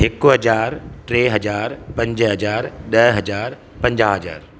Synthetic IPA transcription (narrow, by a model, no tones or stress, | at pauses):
ɦɪkʊɦɐd͡ʑaːɾʈɾeːɦɐd͡ʑaːɾpɐ̃ɲd͡ʑɦɐd͡ʑaːɾɗɐɦɦɐd͡ʑaːɾ | pɐ̃ɲd͡ʑaːɦɐd͡ʑa̰ːɾ